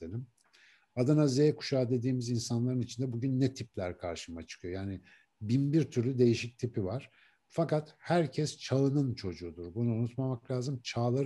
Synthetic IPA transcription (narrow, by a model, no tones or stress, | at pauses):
enim | ad̪anazejɛkʰu̥ʃaːd̪e̞d̪iːmizinsanlˠaɾɯnit͡ʃʰind̪ɛbuɟynːɛt̪ʰiplʲæɾkʰaɾʃɯmat͡ʃʰɯ̥kʰɯjo̞jaːnɪ | binbiɾt̪ʰyɾlʲyd̪e̞jiʃic̚t̪ʰipivaɾ̥ | fakat̪hæɾcʰɛst͡ʃʰaɯnɯnt͡ʃʰo̞d͡ʒuːd̪uɾbunuunut̪mamaklʲaːzɯmt͡ʃʰaːlˠaɾ